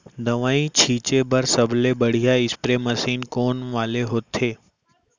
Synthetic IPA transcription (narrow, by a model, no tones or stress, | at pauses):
d̪ɐʋaːit͡ʃʰiːt͡ʃebɐɾsɐblebɐɽ̤ijaɪspɾemɐsiːnkoːnʋaːleɦoːt̪ʰeː